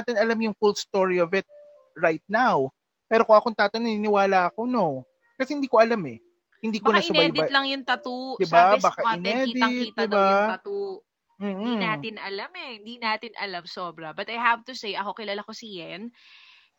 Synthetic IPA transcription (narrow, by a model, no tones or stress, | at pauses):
aːt̪ɪnɐlamjʊŋfulst̪oɹiovɪt̪̚ | ɹajt̪̚naw | pɛːɾo̞koʔɐko̞nt̪aːt̪onɐnɪnɪwaːlaʔɐko̞no̞ | kɐsɛhɪnd̪iːkoʔɐlamɛ | hɪnd̪iːbkonɐɪsʊnad̪bɐlɐŋjʊŋt̪ɐt̪ud̪ɪbabaːkaɪnɛd̪ɪt̪̚d̪ɪbaɐt̪u | m̩ːiaːt̪ɪnʔɐlamɛhɪnd̪inaːt̪ɪnʔɐ̰lamsobɾɐbɐt̪ɐjɦavt̪usejʔɐko̞kɪlaːlakosijɛn